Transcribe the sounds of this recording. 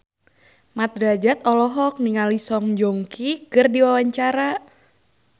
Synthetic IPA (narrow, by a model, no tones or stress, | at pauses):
mat̪̚ɾad͡ʒat̪ɔlɔɦɔk̚niŋalisɔŋd͡ʒoŋkikɨrdiwawaɲt͡ʃaɾa